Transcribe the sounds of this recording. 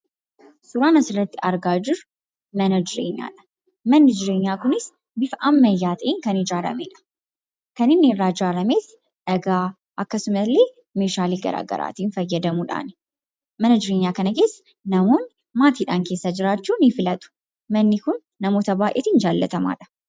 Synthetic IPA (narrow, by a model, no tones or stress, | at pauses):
sʊɾaːnɐsɪrɐt̪ːɪɐɾɡaːd͡ʒɪɾʊ | mɐnɐd͡ʒɪɾḛːɲːa̰ːᶑɐ̥ | mɐnːɪd͡ʒɪɾe̞ːɲːaːkʊnɪs | bɪfʔɐmːɐjːaːt̪ʼɐʔiːŋkɐnɪd͡ʒaːɾɐ̰meːᶑɐ̥ | kɐnɪnːɪrːaːd͡ʒaːɾɐmeːt̪ | ᶑɐɡaː | ʔɐkːɐsʊmɐlːe̞ː | meːʃaːliːɡɐ̰ɾa̰ːɡɐ̰ɾa̰ːt̪iːnfɐjːɐd̪ɐmuːᶑa̰ːn | mɐnɐd͡ʒɪɾeːɲːaːkɐnɐke̞ːsː | nɐmo̞ːn | maːt̪iːᶑaːŋke̞ːsːɐd͡ʒɪɾaːt͡ʃːuːnɪfɪlɐt̪ʼʊ̥ | mɐnːɪkʊnːɐmo̞ːt̪ɐbaːʔeːt̪ind͡ʒaːlːɐ̰t̪ɐma̰ːᶑɐ̥